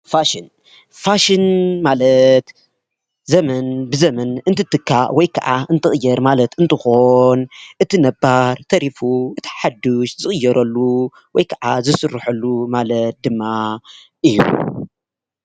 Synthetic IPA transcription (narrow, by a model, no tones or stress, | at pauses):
faʃin | faʃinmalɐt̪ | zɐmɐnbɨzɐmɐnɨnt̪ʰɨt̪ʰːɨkʰːaʔwɔjkʰɐʔaɨnt̪ʰɨχʼɨjːɐɾmalɐt̪ɨnt̪ʰɨxonʔɨt̪ʰinɐbaɾt̪ʰɐɾifuʔɨt̪ʰi̥ħad̪ːuʃzɨχʼɨjːɐɾɐlːu | wɔjkʰɐʕazɨsɨrːɨħɐlːumalɐt̪̚d̪ɨmːa | ʔɨjːṵ